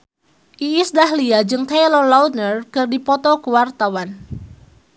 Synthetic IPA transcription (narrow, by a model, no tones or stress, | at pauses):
ʔiɪsdaɦliad͡ʒɨŋt̪elɔlawnərkɨrdipɔt̪ɔkəwart̪awan